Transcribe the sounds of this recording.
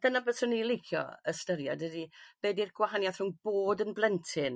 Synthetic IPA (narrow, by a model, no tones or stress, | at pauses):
d̥ənabəðsʊnilˠɪjkʰjɔ̰əstəɾjɔ̰dədib̥eːdirɡ̥wahanjaθr̥ʊŋb̥oːdənblˠɛntʰɪn